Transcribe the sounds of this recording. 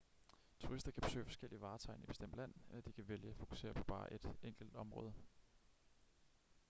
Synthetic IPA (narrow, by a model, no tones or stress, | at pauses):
t͡sʰuʁisd̥ɐkʰæb̥e̝sø̰ːɪfɒ̽sɡ̥el̰iʋɑ̈ːt͡sʰɑ̈ɪnib̥e̝sd̥em̰d̥læn̰elɐd̥ikʰæʋeljəæfo̝ku̥se̝̰ːɐpʰɒ̽b̥ɑ̈ːʔe̝d̥eŋ̰ɡ̥l̩d̥ɒ̽mʁɔ̽ːð̞ˠə